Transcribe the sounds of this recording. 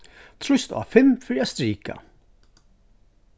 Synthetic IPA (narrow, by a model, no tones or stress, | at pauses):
t̪ʰɾʊst̪a̰fɪmfɪɾiɛst̪ɾiːka̰